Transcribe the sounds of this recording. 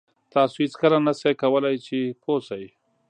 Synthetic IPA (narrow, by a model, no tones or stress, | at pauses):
t̪ɑsoɪt͡skəlanasajkawəlajt͡ʃepʰosaj